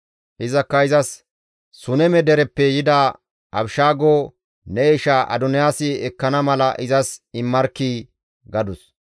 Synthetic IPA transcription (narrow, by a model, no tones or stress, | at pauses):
ʔɪzɐkːɐɪzɐsː | ʊnɛmɛd̪ɛɾɛpːɛjɪd̪ɐ | ɐbʃaːɡoː | nɛeʃaʔɐ̰d̪ɔnɪjaːsɪɛkːɐnɐmɐlɐʔɪzɐsɪmːɐɾkːiː | ɡɐd̪ʊs